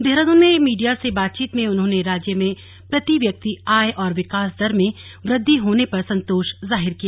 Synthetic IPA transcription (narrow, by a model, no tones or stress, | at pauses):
d̪ʱeɦɾəd̪onmẽmiːɖijasebaːt̪̚t͡ʃiːt̪mẽʊnɦõːneɾaːd͡ʒjəmẽ | pɾɐt̪iʋjɐk̚t̪iaːjʔɔːɾʋɪkaːs̬d̪ɐɾmẽ | ʋɾɪd̪ʱːiɦoːnepɐɾsɐ̃nt̪oːʃzaːɦɪɾkijaː